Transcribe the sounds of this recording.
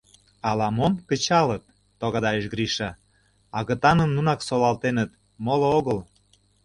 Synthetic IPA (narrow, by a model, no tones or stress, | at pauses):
ɑlɑmomkə̆t͡ɕɑlət̪̚ː | oɣɑd̪ɑeʃɣɾiʃɑ | ɑɣə̆t̪ɑnənːunɑksolɑlt̪enət̪ | molooɣəl